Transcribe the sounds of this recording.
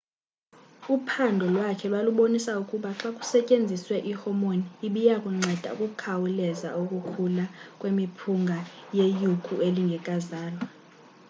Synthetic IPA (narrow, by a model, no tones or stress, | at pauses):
upʰandʱɔlwakʰɛlwaluɓonisaukʼuɓaǁakʼu̥sɛcʼend͡zʱiswɛʔihɔmoniːɓijakʼuŋ͡ǀɛd̥ʱa̰kʼuk̬ʼukʰawulɛza̰ukʼukʰulakʼwemipʰuŋɡʱajejukʼueliŋɡʱɛkʼazaːlwa